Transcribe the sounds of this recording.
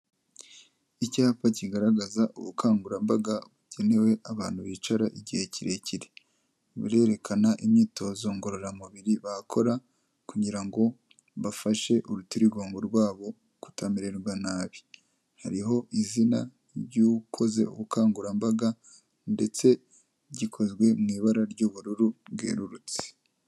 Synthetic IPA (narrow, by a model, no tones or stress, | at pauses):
icaːpaciɡaɾaɡazaʔṵβukʰaːŋɡuɾambaɡaβuɟe̞ne̞we̞ʔaβaːn̥huβiːt͡ʃaɾaʔiɟihe̞ciɾe̞ciɾe | βḭɾe̞ːɾe̞kʰanaʔimɲiːto̞ːzo̞ŋɡo̞ɾo̞ɾamuβiɾiβakʰo̞ɾa | kuɟiɾaŋɡo̞ | βafaʃe̞ʔuɾutiɾiɡo̞ːŋɡoɾɡwaːβo̞ | ɡ̥u̥tʰamiɾeɾɡwanaːβi̥ | haɾiɦo̞ʔizina | ɟukʰo̞ze̞̰ṵɡukaːŋɡuɾambaɡa | nde̞t͡se̞ | ɟikʰo̞zɡwe̞mŋiːβaɾaɾɟoːβuɾuɾuβɡḛːɾuɾut͡se̥